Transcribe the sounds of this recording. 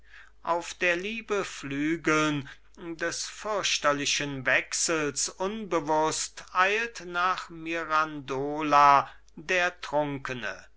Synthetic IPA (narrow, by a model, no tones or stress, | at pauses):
ʔaʊfd̥eːɐliːbəflyːɡl̩n | dɛsfʏɐʃtɐlɪʃənvɛksl̩sʔʊnbəvʊstʔaɪltnaːχmiʁandoːla | deːɐtʁ̥ʊŋkənə̰